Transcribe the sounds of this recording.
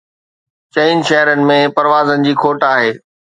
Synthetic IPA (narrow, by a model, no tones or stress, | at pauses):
t͡ɕeɪnʃɐɦɾənɪ̆mẽpɐɾʋaːzənɪ̆d͡ʑiːkʰoːʈaːɦeː